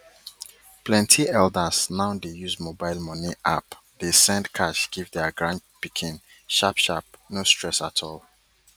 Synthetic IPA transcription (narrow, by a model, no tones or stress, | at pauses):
plɛ̃ntʰiɛldəznaʊdejuzmobaɪlˠmɔniʔa̰p | d̥esɛ̃ndkʰaʃɡ̥ivdɛɡɹãndpikʰĩn | ʃapʃap̚nostʰɹɛsatʰɔl